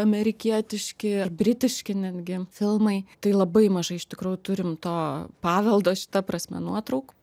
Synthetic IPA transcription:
ɐmʲɛɾʲɪkʲiɛt̪ʲɪʃʲkʲɪɐrbʲɾʲɪt̪ʲɪʃʲkʲɪnʲæːd̪ʲɡʲɪfʲɪlˠmɐɪt̪ɐɪlˠɐbɐɪmɐʒɐɪɪʃʲt̪ʲɪkɾuːjʊt̪ʊɾʲɪmt̪oːpɑːʋʲɛlˠd̪oːʃʲɪ̥t̪ɐpɾɐsʲmʲɛ̰nuɔt̪ɾɐʊk

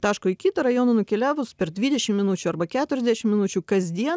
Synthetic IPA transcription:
t̪ɑːʃkoːɪkʲiːt̪ɐɾɐjoːnɐnʊkʲɛlʲæːʋʊspʲɛɾd̪ʲʋʲiːd̪ʲɛʃʲɪmmʲɪnut͡ʃʲuɐɾbɐkʲæːt̪ʊɾʲɛzd̪ʲæʃʲɪmʲɪnʊt͡ʃʲuːkɐzʲd̪ʲiɛ

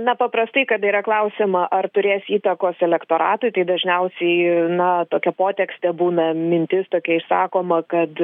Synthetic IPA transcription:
nɐpɐpɾɐst̪ɐɪkɐt̪iːɾɐklˠɐʊsʲɪmɐʔɐrt̪ʊɾʲeːsiːt̪ɐkoːsɛlʲɛkt̪oːɾɑ̰ːt̪ʊɪt̪ɐɪd̪ɐʒʲnʲɛʊsʲɛɪnɐt̪oːkʲɛpoːt̪ʲɛksʲt̪ʲɛbuːnɐmʲɪnʲt̪ʲɪst̪oːkʲɛɪʃsɑ̰ːkoːmɐkɐt̪

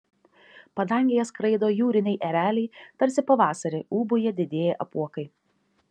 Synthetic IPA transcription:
pɐd̪ɐˑŋʲɡʲɪjɛskɾɐɪd̪oːjuːɾʲɪnʲɛɪʔɛɾʲæːlʲɛɪt̪ɐɾʲsʲɪpɐʋɑːsɐɾʲɪʔuːbʊjɛd̪ʲɪd̪ʲeːjɛʔɐpuɔkɐɪ

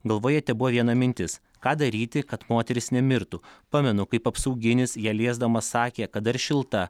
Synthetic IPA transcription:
ɡɐlˠʋoːjɛt̪ʲɛbʊʋɐʋʲiɛnɐmʲɪnʲt̪ʲɪs | kɑːd̪ɐɾʲiːt̪ʲɪkɐt̪moːt̪ʲɛɾʲɪsnʲɛmʲɪɾt̪ʊpɑːmʲɛnʊkɐɪpɐpsɐʊɡʲɪnʲɪsjæːlʲeɛzd̪ɐmɐssɑːkʲeːkɐt̪̚d̪ɐɾʃʲɪlˠt̪ɐ

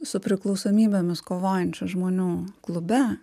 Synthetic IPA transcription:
sʊpʲɾʲɪklˠɒʊsoːmʲiːbʲemʲɪskoːʋoːjɛnʲt͡ʃʲʊʒmoːnʲuːklˠʊbʲɛ

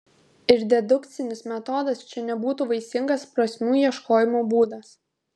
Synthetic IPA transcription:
ɪɾd̪ʲɛd̪ʊkt̪sʲɪnʲɪsmʲɛt̪ɔːd̪ɐst͡ʃʲɛnʲɛbuːt̪uːʋɐɪsʲɪŋɡɐspɾɐsʲmʲuːjiɛʃkoːjɪmoːbuːd̪ɐs

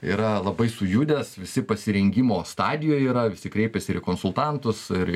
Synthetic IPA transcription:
ḭːɾɐlˠɐbɐɪsʊjʊd̪ʲɛsʋʲɪsʲɪpɐsʲɪɾʲɛŋʲɡʲimoːst̪ɑːd̪ʲɪjoːjiːɾɐʋʲɪsʲɪkɾʲeɪpʲɛsʲɪɪ̰koːnsʊlˠt̪ɑnt̪ʊsɪɾ

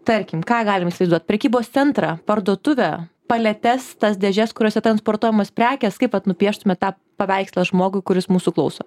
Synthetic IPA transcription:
t̪ɐɾʲkʲɪmkɑːɡɑːlʲɪmisʲɪlˠɐɪzduɔt̪ʲpʲɾʲɛkʲiːboːst̪sʲɛnt̪ɾɑpɐɾd̪uɔt̪ʊʋʲɛ | pɐlʲɛt̪ʲɛst̪ɐsd̪ʲɛʒʲɛskʊɾʲoːsʲɛt̪ɾɐnspoːrt̪uɔjɛmɐspʲɾʲæːkʲɛskɐɪpʋɐt̪nʊpʲiɛʃt̪ʊmʲɛt̪ɑː | pɐʋʲɛɪkslˠɐʒmoːɡʊɪkʊɾʲɪsmuːsʊklˠɐʊsoː

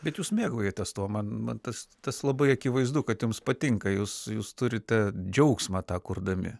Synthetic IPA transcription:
bʲɛt̪juːsmʲeːɡoːjot̪tɛst̪uɔmɐnmɐnt̪ɐst̪ɐslˠɐbɐɪɐkʲɪʋɐɪzd̪ʊkɐt̪jʊmspɐt̪ʲɪŋkɐjuːsjuːst̪ʊɾʲɪt̪ʲɛd͡ʒʲɛʊksmɑːt̪ɑːkʊrd̪ɐmʲɪ̰

